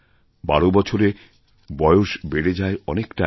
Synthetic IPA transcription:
ba̰ɽobɔt͡ɕʰoɾe | bɔeoʃbeɽed͡ʑaeɔnekʈa

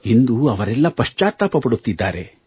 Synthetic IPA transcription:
ind̪uɐʋɐɾɛlːɐpɐʂt͡ʃaːt̪ːaːpɐpɐɽut̪ːid̪ːa̰ːɾe̞̰

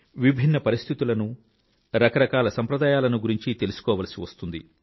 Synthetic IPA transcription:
ʋibʱinːɐpɐɾist̪ʰit̪ulɐnu | ɾɐkɐɾɐkaːlɐsɐmpɾɐd̪aːjaːlɐnuɡuɾiɲt͡ʃit̪e̞lusu̥kɔːʋɐːlɐsiʋɐst̪und̪i

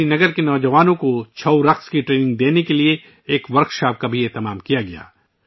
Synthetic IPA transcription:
inɐɡəɾkenɔːd͡ʒɐʋaːnõkot͡ʃʰɐwɾɐqskiʈɾeːnɪ̃ŋɡ̚d̪eːnekelie | eːkʋɐɾkʃaːp̚kabʱieːt̪ɐmaːmkijaɡɐja̰ː

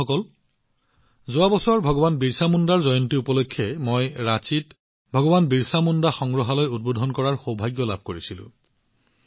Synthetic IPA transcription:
ɔkɔl | zʊabɔsɔaɹbʱɔɡɔbanbiɹsamundaɹzɔjɔntiupɔlokʰːɛmojɹat͡ʃit | bʱɔɡɔbanbiɹsamundaxɔŋɡɹɔɦalojud̚bodʱɔnkɔɹaɹxobʱaɡjɔlab̚ʱkoɹisilʊ̰̃

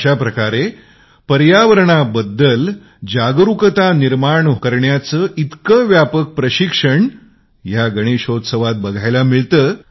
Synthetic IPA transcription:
ɕapɾəkaɾe | pəɾjaʋəɾəɳ̃abəd̪ːəl | d͡ʑaɡɾukət̪aniɾmaɳkəɾɳjat͡səʔit̪kəʋjapək̚pɾəɕikʂəɳ | jaɡəɽ̃eɕod̪səʋat̪̚bəɡʱajlamiɭt̪əː

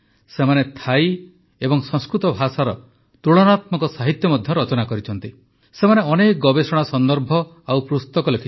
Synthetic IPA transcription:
semanet̪ʰaj | ebɔŋsɔ̃ŋskɾut̪ɔbʱasaɾɔ | t̪uɭɔnat̪mɔŋkɔsaɦit̪jɔmɔd̪ʱjɔɾɔt͡ʃɔnakɔɾit͡ʃʰɔn̪t̪i | semaneɔnek̚ɡɔbesɔɽ̃asɔnd̪ɔɾbʱɔ | awpɾust̪ɔkɔlokʰi

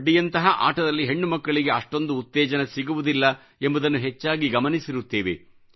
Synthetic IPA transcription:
ɖːijɐnt̪ɐɦɐʔa̰ːʈɐd̪ɐlːiɦe̞ɳːumɐkːɐɭiɡe̞ɐʂʈo̞nd̪uːt̪ːɛːd͡ʒɐnesiɡuʋud̪ilːɐ | embɐd̪ɐnːuɦet͡ʃːaːɡiɡɐmɐnisiɾut̪ːeːʋḛ

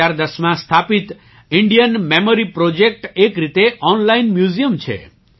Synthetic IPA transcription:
aɾd̪əsmãst̪ʰapit̪ | iɳɖijənmemoɾipɾod͡ʒek̚ʈekɾit̪eʔɔnlainmjuzijəmt͡ʃʰḛ

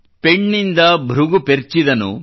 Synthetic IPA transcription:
peɳːind̪ɐbʱɾuɡupeɾt͡ʃid̪ɐnṵ

